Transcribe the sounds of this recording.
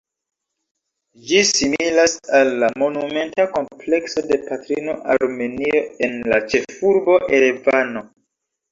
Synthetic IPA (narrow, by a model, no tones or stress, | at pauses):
d͡ʒisimilasalːamo̞nume̞ntako̞mple̞kso̞de̞patɾino̞ʔaɾme̞nio̞e̞nlat͡ʃe̞fuɾbo̞ʔeɾevano̞